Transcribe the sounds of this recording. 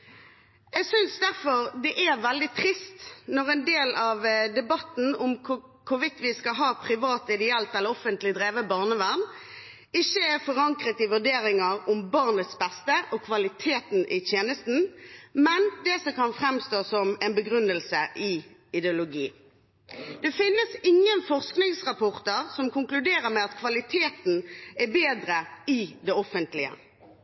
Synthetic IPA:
ɛɡsʏnsd̪æʁfɔʁd̪ɛʔæʁʋɛld̪ɪt̪ʰʁɪst̪nɔʁɛnd̪eːlɑʋd̪ɛbɑt̪n̩ʊmkʰʊ | kʰʊʋɪt̪ʋɪskɑɦɑːpʰʁɪʋɑːt̪ɪd̪ɛɛlt̪ɛlːəɾɔfənt̪lɪd̪ʁeːʋəbɑʁnəʋæʁn | ɪçːəæfɔʁɑŋkʁət̪ɪʋʉʁɖ̪eːɾɪŋɑɾʊmbɑʁnət̪sbɛst̪əʔɔkʰʋɑlɪt̪ʰeːt̪n̩ʔɪt̪ʰjeːnəst̪n̩mɛnd̪ɛsɔkɑnfʁɛmst̪oːsɔmɛnbəɡʁʉnːəlsəʔɪɪd̪ɛʊlʊɡḭː | d̪̥ɛfɪnːəsɪŋːənfɔʁsknɪŋsʁɑpɔʁt̪əʁsɔmkʊŋklʉd̪eːɾəmɛɑt̪kʰʋɑlɪt̪ʰeːt̪n̩æbeːd̪ɾəɪd̪ɛɔfənt̪lɪə̰

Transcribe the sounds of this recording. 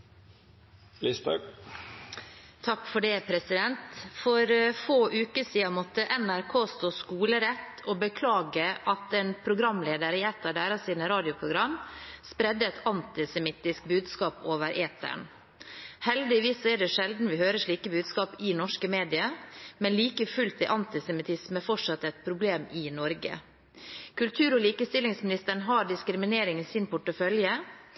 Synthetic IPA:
list̪ɑ̰ | t̪ʰɑkfɔɖɛpʰɾɛsɪd̪ɛnt̪fɔɾfoːʔʉːkəsiːɑmɔt̪ːəʔɛnæɾkʰoːst̪oːskuːləɾɛt̪ː | ɔbəkʰlɑːɡəʔɑt̪ɛːnpʰɾʊɡɾɑmleːd̪əɾɪɛt̪ːɑd̪æːɾɑsiːnəɾɑːd̪ɪʊpʰɾʊɡɾɑmspɾɛd̪ːəɛt̪ʰɑnt̪ɪsɛmɪt̪ːɪsk̚bʉːd̪skɑːpoːʋəɾʔeːt̪ʰə̰ɳ | hɛld̪ɪʋiːsːɔɛɖɛʂɛld̪n̩ʋɪhøːɾəʂɭiːkəbʉːd̪skɑːpɪnɔʂkəmeːd̪ɪəmɛnliːkəfʉlt̪ɪʔɑnt̪ɪsɛmɪt̪ʰɪsməfɔʂɑt̪ːɛt̪̚pʰɾʊbleːmɪnɔɾɡə̰ | kʉlt̪ʰʉːɾɔliːkəst̪ɪlːɪŋsmɪnɪst̪əɳ̩ɦɑːɖɪskɾɪmɪneːɾɪŋsɪnpʰʊʈːəfœljə

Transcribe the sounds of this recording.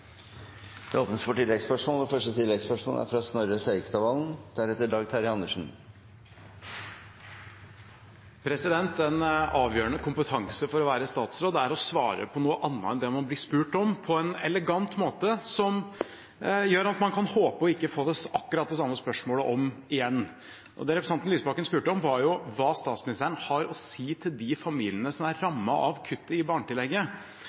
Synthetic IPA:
d̪̥ɛoːpnəsfɔʈɪlːɛɡspœʂmoːlɛfœʂʈət̪ʰɪlːɛɡspœʂmo̰læ̰ɾfɾɑsnɔɾəseɪɪɡst̪ɑʋɑːln̩d̪̥æɾhɛt̪ːəɖɑːɡt̪ʰɑɾɪɑnəʂɳ̩ | pʰɾɛsɪd̪ɛnt̪ɛnɑːʋjøːɾəɳəkʊmpət̪ʰɑŋsəfɔɾɔʋæːɾəst̪ɑːt̪sɾoːd̪æɾɔsʋɑːɾə̰pʰɔnuːəʔɑnːəɛnd̪ɛmɑnblɪːspʉːʈɔmpʰɔɛnɛ̰ləɡɑnt̪moːt̪əsɔm | jøːɾɑt̪mɑnkʰɑnhoːpəɔɪkːəfoːd̪ɛsɑkːʉɾɑt̪̚d̪ɛs̬ɑmːəspœʂmoːləʔɔmɪjɛnː | ʔɔ̰d̪ɛɾɛpɾəsɑnt̪nlyːsəbɑkənspʉːʈəɔmʋɑɾjʊʋɑːst̪ɑːt̪smɪnɪst̪ʰæːɾənhɑɾɔsiːt̪ʰɪld̪ɪfɑmḭːlɪənəsɔmæɾːɑmːɑɑʋkʰʉt̪ːəɪbɑːɳʈ̪ɪlːɛɡːə

